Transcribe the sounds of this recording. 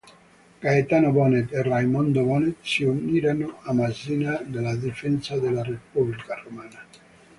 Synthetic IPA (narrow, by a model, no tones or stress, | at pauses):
kaet̪anovɔnet̪erajmɔnd̪ovɔnet̪siunːiːɾanoamazinad̪elad̪ifɛnsad̪elarepublikaromaːna